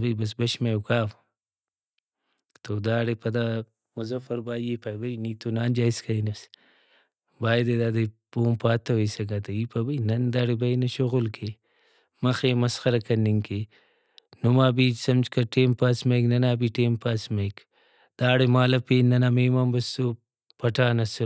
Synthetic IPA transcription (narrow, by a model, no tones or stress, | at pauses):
bɐjbɐs̬bɐʃmajwkaːf | t̪od̪aːɽepɐd̪a | muzɐfɐɾbaːjipajbɐjniːt̪onaːnd͡ʒaːiskainɐs | baːjd̪ed̪aːd̪ɐpoːmpaːt̪ʰːɐwɐjsɐɡɐt̪ɐipɐbɐjnɐnd̪aːɽebɐjnɐʃoɣulkʰe | mɐxemɐsxɐɾɐkɐnːiŋkʰe | numaːbisɐmt͡ʃkɐʈeːmpaːsmɐjknɐnaːbiʈeːmpaːsmɐjk | d̪̥aːɽemaːlɐpenɐnameːmaːnbɐso | pɐʈaːnɐs